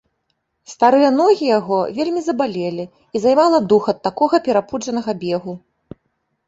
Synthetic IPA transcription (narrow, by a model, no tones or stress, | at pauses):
st̪aɾɨjɐn̪ɔɣʲijaɣɔvʲelʲmʲizɐbalʲelʲi | izajmalˠɐd̪uxɐt̪ːakɔɣɐpʲɛɾapud͡ʐɐnɐɣɐbʲɛɣu